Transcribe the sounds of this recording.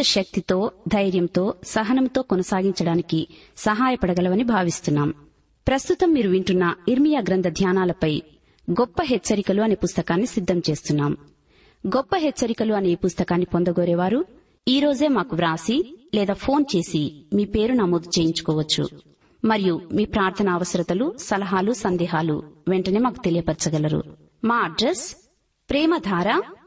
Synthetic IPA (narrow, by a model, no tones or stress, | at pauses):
ɐʃɐk̚t̪it̪o̞ːd̪ʱɐjɾjɐmt̪o̞ːsɐɦɐnɐmt̪o̞ːkɔnɐsaːɡiɲt͡ʃɐɽaːnikisɐɦaːjɐpɐɽɐɡɐlɐʋɐnibʱaːʋist̪unːaːm | pɾɐst̪ut̪ɐmːiːɾuʋiɳʈunːɐiɾmijaːɡɾɐnd̪ʱɐd̪ʱjaːnaːlɐpɐj | ɡɔpːɐɦɛt͡ʃːɐɾikɐluɐneːpust̪ɐkaːnːisid̪ʱːɐmt͡ʃe̞ːst̪unːaːm | ɡɔpːɐɦɛt͡ʃːɐɾikɐluɐne̞ːpust̪ɐkaːnːipond̪ɐɡɔːɾɛːʋaːɾu | iːɾo̞ːd͡ʒe̞ːmaːkuʋɾaːsilɛːd̪aːpʰo̞ːnt͡ʃe̞ːsimiːpe̞ːɾunɐmoːd̪ut͡ʃeːjiɲt͡ʃu̥kɔːʋɐt͡ʃːṵ | mɐɾijumiːpɾaːɾt̪ʰɐnaːʋɐsɐɾɐt̪ɐlusɐlɐɦaːlusɐnd̪ɛːɦaːlṵʋeɳʈɐne̞ːmaːku̥t̪e̞lijɐpɐɾt͡ʃɐɡɐlɐɾṵ | maːɐɖɾes | pɾɛːmɐd̪ʱaːɾa